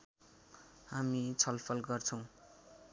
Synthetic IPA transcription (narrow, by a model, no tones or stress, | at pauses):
hamit͡sʰʌlpʰʌlɡʌrt͡sʰʌw̃